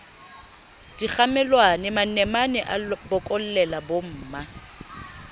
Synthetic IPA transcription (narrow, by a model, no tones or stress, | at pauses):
d̥ik͡xamɛlwanɪmanɛmanɛʔabʊkʼɔl̩lɛlabom̩ːma